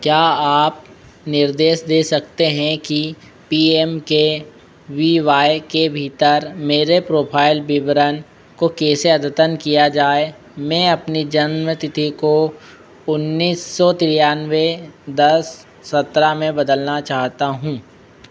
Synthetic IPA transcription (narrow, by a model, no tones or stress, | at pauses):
kjaːaːp̚ | nɪɾd̪eːʃd̪eːsɐkt̪eɦɛ̃ki | piːemke | ʋiːʋaːjkebʱiːt̪əɾmeːɾepɾoːpʰaːɪlbɪʋəɾən | kokeːseɐd̪ət̪ənkijad͡ʒaːe | mɛ̃ːɐpnid͡ʒɐnmət̪ɪt̪ʰiko | ʊnːiːsːɔt̪ɪɾjaːnʋed̪ɐsː | ɐt̪ɾamẽbɐd̪əlnat͡ʃaːɦt̪aɦũː